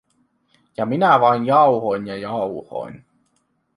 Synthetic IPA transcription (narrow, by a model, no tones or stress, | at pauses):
jɑminæʋɑinjɑuhoinjɑjɑuwho̰in